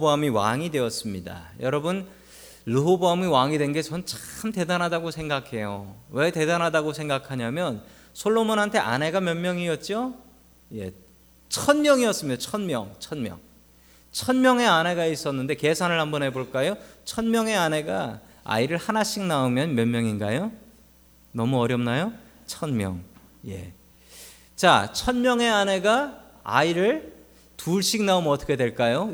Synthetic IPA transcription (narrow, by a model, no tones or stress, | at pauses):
boɦamiwa̰ŋidwe̞ʌs͈ɯmɲida̰jʌɾʌbɯn | ɾuɦoboɦamiwaŋidwe̞nɡet͡ɕʌnɯnt͡ɕḁɯmte̞danɦadaɡosʰe̞ŋɡakʰe̞jowe̞te̞danɦadaɡosʰe̞ŋɡakʰaɲamjʌn | sʰoɭːomonɦantʰe̞ʔa̰ne̞ɡamjʌnmjʌŋiʌt̚t͡ɕ͈o | je̞̰ | t͡ɕʰʌnmjʌŋiʌs͈ɯmɲidat͡ɕʰʌnmjʌŋt͡ɕʰʌnmjʌ̰ŋ | t͡ɕʰʌnmjʌŋe̞ane̞ɡais͈ʌnːɯnde̞ke̞sʰanɯɭhambʌnɦe̞boɭk͈ajot͡ɕʰʌnmjʌŋe̞ane̞ɡa | a̰iɾɯɭhanaɕ͈ʰik̚naɯmjʌnmjʌnmjʌŋinɡajo | nʌmuʌɾjʌmnajo | t͡ɕʰʌnmjʌ̰ŋ | je̞̰ | t͡ɕa̰t͡ɕʰʌnmjʌŋe̞ane̞ɡa | a̰iɾɯɭ | tuɭɕ͈ik̚naomʌtʰʌkʰe̞dwe̞ɭk͈ajo